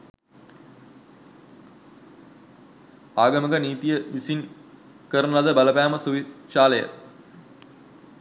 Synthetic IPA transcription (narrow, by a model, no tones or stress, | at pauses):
aːɡəməɡəniːt̪ijəʋisin | kəɾənɐd̪əbaləpæːməsuʋiʃaːləjə̰